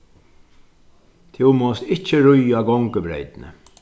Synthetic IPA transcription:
t̪ʰɪwmɔst̪ɪht͡ʃːəɾʊjaɡɔŋkəbɾḛjt̪nə̰

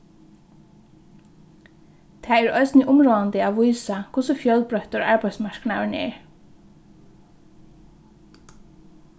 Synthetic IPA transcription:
t̪ʰaːɛɹœɥsnɪʔʊmɹɔːðant̪ɪaʋujsakʰʊsʊfjœlpɹœht̪ʊɹaɹpajt̪smaɹ̥knaʋɪnɛ̰ɹ

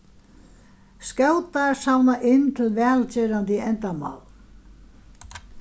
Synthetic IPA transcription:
scawt̪asawnaʔɪnːt̪ʰɪlvɛːlt͡ɕɛːɾant̪ɪɛnt̪ama̰ːwl

